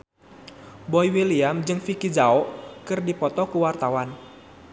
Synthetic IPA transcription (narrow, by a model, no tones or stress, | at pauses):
bɔjwiliamd͡ʒɨŋfikid͡ʒaɔʔkɨrdipɔt̪ɔkuwart̪awan